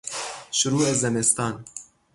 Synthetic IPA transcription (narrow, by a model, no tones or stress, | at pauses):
ʃʊɾuːɛzɛmɛst̪ɑːn